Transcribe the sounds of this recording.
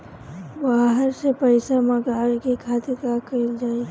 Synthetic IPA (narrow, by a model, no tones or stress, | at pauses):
baːɦəɾsepəɪsamə̃ɡaːɾkekʰaːt̪iɾkakəld͡ʒaːe